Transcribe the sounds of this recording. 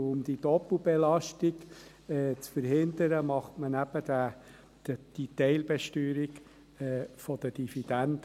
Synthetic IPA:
ʊmd̥̪id̪ɔpl̩bɛlɑʃtiɡ | ɛːt͡sfəɾhɪnd̪əɾəmɑχtmənæb̥əd̥̪æ | d̥əd̥it̪ɛɪlbɛʃtyːɾiɡ | ɛfɔd̪əd̥ifid̥̪ænd̪̥

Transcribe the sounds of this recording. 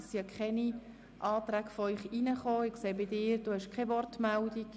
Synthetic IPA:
siɑkʰχɛni | ʔɑːt̪ɾæːkfɔœʏχinəχoːɪkseːbɪdɪːɾd̥uːhɛʃkχɛvɔrtmɛldik

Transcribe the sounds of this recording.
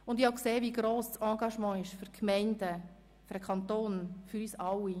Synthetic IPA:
ʊndihɑkseːviɡɾoːssɑ̃ːɡɑʃmɑ̃ːɪʃfyɾkʰmɛɪndə | fyɾəkʰɑnt̪oːnfyɾyːsɑwi

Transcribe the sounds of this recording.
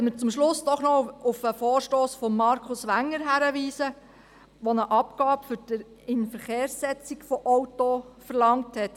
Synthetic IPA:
ɛmət͡sʊmʃlʊsd̥̪ɔχnɔʊfəfoːɾʃtoːsfɔmːɑɾkʰʊsʋæŋːəɾɦæɾəʋiːsə | ʋɔnəʔɑpɡɑːbfʏɾd̥əɾ | ɪnfəɾχeːɾsːɛt͡sikfɔʔɔwtofəɾlɑŋthɛt

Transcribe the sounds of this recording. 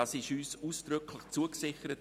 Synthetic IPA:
ɑsɪʃyːsuːsd̥ɾʏkʰlɪχt͡suəksɪχəɾət

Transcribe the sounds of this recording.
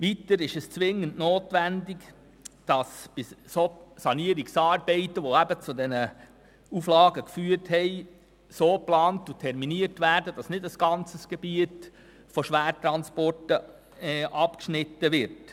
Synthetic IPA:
ʋitəɾɪʃɛst͡sʋɪŋːəntnoːtʋændɪk | d̥ɑsb̥ɪsosɑniəɾiksɑːɾbɛɪtəʋoæbət͡sudɛnə | uflɑːɡəkfyːəthɛɪ | soːplɑːntutʰɛɾminiəɾtʋæːɾdəd̥ɑsnɪdəsɡ̥ɑnt͡səsɡ̥ɛb̥iət | fɔʃʋæːtɾɑnspɔrtə | ɛʔɑpkʃnɪtːəʋɪɾt

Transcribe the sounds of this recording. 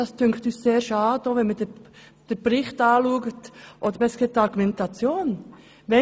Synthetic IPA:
d̥ɑstʰʏŋktyːsseːʃɑːdoʋɛnmədɛ | d̥ɛbɾɪχtɑːluːɡətʔodəɾbɛsket̪ːɑɡumɛntɑt͡sjoːn | ʋɛ

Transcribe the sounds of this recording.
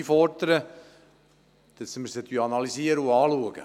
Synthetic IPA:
fɔrd̪əɾə | d̥əsməsət̪yɑnɑlisiəɾəuɑːluəɡ̥ə̰

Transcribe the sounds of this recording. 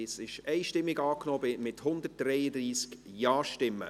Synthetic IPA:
ɪsɪʃɛɪʃtɪmːɪɡɑːknoːbɪmɪthʊnd̪ət̚d̥ɾɛɪədriːskjɑːʃtɪmːə̰

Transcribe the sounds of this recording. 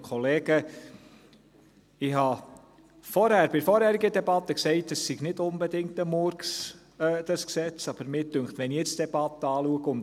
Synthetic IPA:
kʰɔleːɡə | ɪhɑ | fɔɾhæɾb̥ɪfɔɾhæːɾiɡədɛbɑt̪ːəksɛɪtəsːiɡ̥nɪdʊnbɛdɪŋtəmʊɾks | ɛd̥̪ɑsksɛt͡sɑb̥əɾmɪːɾtʏŋχt̪ʋɛnijɛt͡sd̥ɛb̥ɑt̪əɑːluəɡəʊn

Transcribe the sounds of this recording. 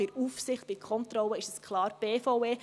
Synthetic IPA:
ɪɾuːfsɪχt̚b̥ɪkʰɔntɾɔlːəɪʃəskʰlɑːɾb̥eːfɔʊeː

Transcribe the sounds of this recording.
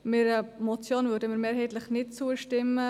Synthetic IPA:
mɪɾəmɔt͡sjoːnvʏːɾdəmɪɾmeːɾɦɛɪt̪ləχnɪt̚t͡suəʃtɪmə

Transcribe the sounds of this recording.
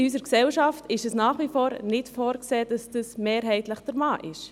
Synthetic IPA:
ɪys̬əɾksɛwʃɑftɪʃɛsnaːχʋifoːɾnɪtfoːɾkseːd̥ɑsd̥əsmeːɾɦɛɪtləχd̥əɾmɑːʔɪʃ

